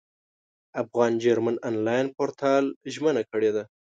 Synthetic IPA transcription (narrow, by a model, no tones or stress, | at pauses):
afɣɑnd͡ʒaɾmanɑnlɑjnpoɾt̪ʰɑlʒmənakəɽed̪a